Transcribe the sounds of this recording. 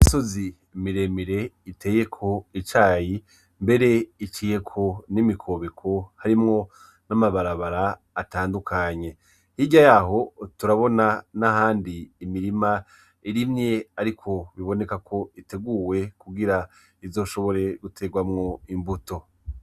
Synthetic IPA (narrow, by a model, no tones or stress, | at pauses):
iso̞zi | miɾe̞miɾe̞ite̞ːje̞kʰo̞it͡ʃaːji | mbe̞ɾe̞it͡ʃije̞kʰo̞nimikʰo̞βe̞kʰo̞haɾimŋo̞ | namaβaɾaβaɾaː | taːndukʰaɲe̞ | hiɟajaːɦo̞tuɾaβo̞nanahaːndiːmiɾima | iɾimɲe̞aɾikʰo̞βiβo̞ne̞kakʰo̞ite̞ɡuwe̞kuɡiɾa | izo̞ːʃo̞βo̞ɾe̞ɡutʰe̞ɡwamŋo̞imbuto̞